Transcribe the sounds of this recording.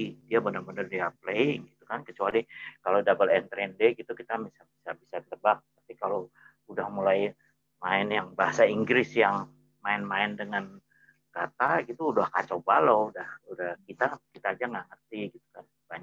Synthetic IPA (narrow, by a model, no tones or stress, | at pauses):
diabənərbənərdiapleŋɡit̪ukankət͡ʃualikalodabalɛnt̪ɾɛndeɡit̪ukit̪amisabisabisat̪əbak̚t̪apikalo | udahmulaj | maɪnjaŋbaɦasaiŋɡɾɪsjaŋ | maɪnmaɪndəŋan | kat̪aɡit̪uːdahka̰t͡ʃawbaloudahudahkit̪akit̪aːd͡ʒaŋɡaʔŋərt̪iɡit̪u̥kan | baɲa